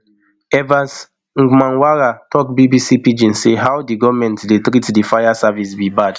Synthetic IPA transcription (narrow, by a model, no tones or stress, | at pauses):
ɛvas | ŋ̩ɡ͡bmãnwaɾatɔkbibisipid͡ʒĩnseɦawdiɡɔvmɛ̃ntdetɾitdifajasavisbibad